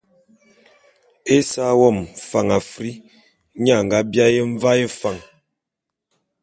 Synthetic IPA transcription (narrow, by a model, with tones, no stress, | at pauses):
e˦sa˦wɔ˦˨mfa˨ŋa˨fɾi˦ | ɲa˦˨ŋ˨ɡa˦bja˦je˦ɱ˦va˦je˦fa˨ŋ